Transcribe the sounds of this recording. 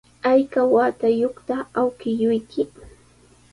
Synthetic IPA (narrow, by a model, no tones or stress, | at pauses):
ajkawat̪ajoχt̪aawkɪjʊjkʰɪ